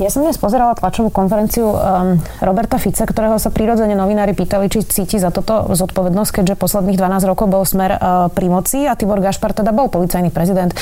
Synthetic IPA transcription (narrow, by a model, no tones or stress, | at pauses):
jasɔmd̪ɲɛspɔzɛɾalat̪lat͡ʃɔʋuːkɔnfɛɾɛnt͡siu | ɾɔbɛɾt̪afit͡sakt̪ɔɾɛːɦɔsapɾiɾɔd͡zɛɲɛnɔʋinaːɾipiːt̪alit͡ʃit͡siːcizat̪ut̪ɔzɔt̪pɔʋɛd̪nɔsckɛɟʒɛpɔslɛd̪niːɣd̪ʋanaːzɾɔkɔʊbɔlsmɛɾpɾimɔt͡siat̪ibɔɾɡaʃpaɾt̪ɛd̪abɔlˠpɔlit͡sajnipɾɛzid̪ɛnt̪